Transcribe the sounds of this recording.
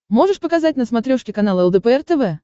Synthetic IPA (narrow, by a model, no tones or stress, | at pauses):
mo̞ʐɨʂpəkɐzat̚ʲnəsmɐt̪ɾʲoʂkʲɪkɐnalˠəɛlˠd̪əpəɛrt̪ɛvɛ